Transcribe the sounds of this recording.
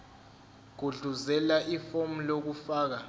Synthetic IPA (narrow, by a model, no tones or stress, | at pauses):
ɡ̥ʱuɮuzɛlaʔifom̩lok̬ufaːk̬a